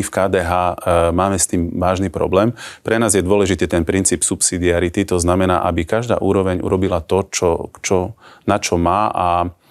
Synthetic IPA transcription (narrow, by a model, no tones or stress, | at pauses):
ifkaːd̪ɛɦaːmaːmɛst̪iːmʋaːʒnipɾɔ̰blɛːmpɾɛnaːzjɛd̪ʊɔlɛʒit̪iːt̪ɛnpɾint͡siːpsupsid̪iaɾit̪it̪ɔznamɛna̰ːʔabikaʒd̪a̰ːʔuːɾɔʋɛɲʔṵɾɔbilat̪ɔt͡ʃɔt͡ʃɔnat͡ʃɔmaːʔa